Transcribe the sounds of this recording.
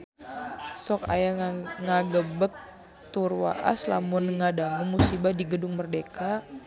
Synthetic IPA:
sɔka̰jaŋaɡəbək̚ | t̪urwa̰ʔa̰sla̰mʊnŋadaŋumusibadiɡədʊŋmərdeka

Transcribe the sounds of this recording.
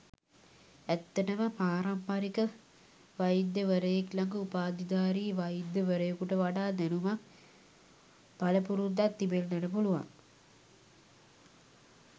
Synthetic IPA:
æt̪ːɐʈəməpaːɾampaɾikə | ʋajid̪jəʋəɾəjeklaŋɡəupaːd̪id̪aːɾiːʋajid̪ːjəʋəɾəjekuʈəʋaɖaːd̪ænumak | b̥aləpuɾud̪at̪ːibelːænəpuluʋa̰ŋ

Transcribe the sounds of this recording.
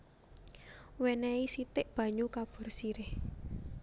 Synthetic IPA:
wɛnɛisit̪ɪʔb̥ä̤ɲukab̥ɔ̤rsiɾɪh

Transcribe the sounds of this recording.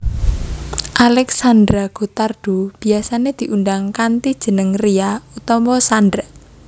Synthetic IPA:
ʔalɛksand̪ɾaɡ̥o̤t̪ard̥ob̥i̤asaned̪̥i̤ʔundaŋkant̪id̥ʒ̥ə̤nəŋriaut̪ɔmɔsand̪ɾ

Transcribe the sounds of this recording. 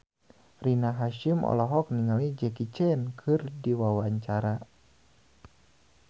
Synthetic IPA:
rinaɦaʃimʔɔ̰lɔɦɔk̚niŋalid͡ʒɛkit͡ʃɛnkʰɨrdiwawaɲt͡ʃaɾa

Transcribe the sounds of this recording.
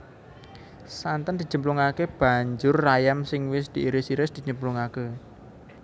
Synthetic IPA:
sant̪ənd̪i̤d͡ʒ̥ə̤mpluŋakeb̥a̤ɲd͡ʒʊrːajamsɪŋwɪsd̪̥i̤ʔiɾɪsiɾɪsd̪̥i̤d͡ʒəmpluŋake

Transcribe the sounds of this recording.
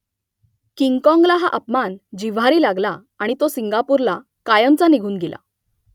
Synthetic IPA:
kiŋɡkɔ̃ŋɡlaɦaʔəpmand͡ʑiʋaɾiːlaɡla | aɽ̃it̪osiŋɡapuɾla | kajəmt͡saniɡʱuːnɡela̰

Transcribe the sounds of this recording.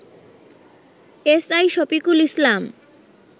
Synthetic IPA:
esajʃopikulislam

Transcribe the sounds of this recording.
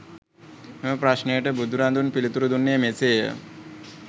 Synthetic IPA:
eməpɾaʃnejəʈəbud̪uɾand̪unpilit̪uɾud̪unːejəmeseːjə̰

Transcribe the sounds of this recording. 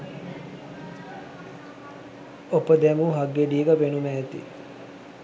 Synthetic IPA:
opəd̪æmuɦaɡːeɖiːɡapenumæːt̪ḭ

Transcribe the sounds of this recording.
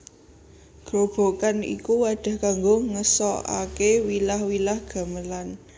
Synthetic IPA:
ɡ̥ɾob̥o̤kanḭkuwaɖ̥a̤hkaŋɡoŋəsɔʔa̰kewilahwilahɡ̥a̤məlan

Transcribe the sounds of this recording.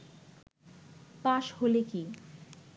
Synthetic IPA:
paʃholeki

